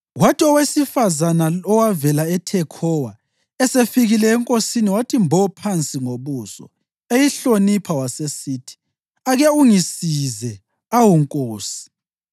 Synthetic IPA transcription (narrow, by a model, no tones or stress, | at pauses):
watʰʼiɔwesifazanaɔwavɛlaɛtʰɛkʰɔwa | ɛsefiɣilɛːŋkʼosiniwatʰimbʱɔpʰant͡sʼiŋoβuːsɔ̰ | ejiɬonipʰawasesiːtʰi̥ | aɣɛuŋisizɛ | awuŋkʼoːsi̥